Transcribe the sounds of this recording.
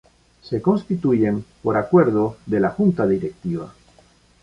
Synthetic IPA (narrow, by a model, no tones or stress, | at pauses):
se̞ko̞nst̪it̪uʝe̞mpo̞ɾakwe̞ɾð̞oðelaxunt̪aðiɾek̚t̪iβ̞a̰